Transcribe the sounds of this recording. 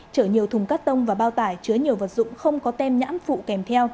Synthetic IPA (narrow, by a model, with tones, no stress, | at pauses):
t͡ɕəː˧˩ɲi˨˩əwt̪ʰʊ˨˩ŋ͡mkaː˦˥k̚t̪ə˧wŋ͡mvaː˨˩ɓaː˧wt̪aː˧˩jt͡ɕɨ˨˦əɲi˨˩əwvə˨˩t̚zʊ̰˧˨ŋ͡mxə˧wŋ͡mkɔ˨˦t̪ɛ˧mɲa̰ː˧˥mfṵ˧˨kɛ˨˩mt̪ʰɛ˧w